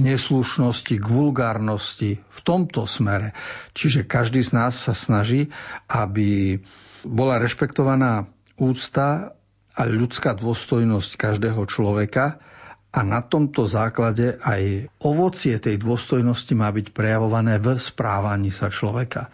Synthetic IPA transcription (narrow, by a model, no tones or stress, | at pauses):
ɲɛsluʃnɔsciɡʋulɡaːɾnɔscift̪ɔmt̪ɔsmɛɾɛt͡ʃiʒɛkaʒd̪iːznaːsːasnaʒiːabi | bɔlaɾɛʃpɛkt̪ɔʋanaː | uːt͡st̪a | aʎut͡skaːd̪ʊɔst̪ɔjnɔsckaʒd̪ɛːɦɔt͡ʃlɔʋɛkaʔanat̪ɔmt̪ɔzaːklaɟɛʔajʔɔʋɔt͡sɪɛt̪ɛjd̪ʊɔst̪ɔjnɔscimaːbicpɾɛjaʋɔʋanɛːvspɾaːʋaɲiːsat͡ʃlɔʋɛka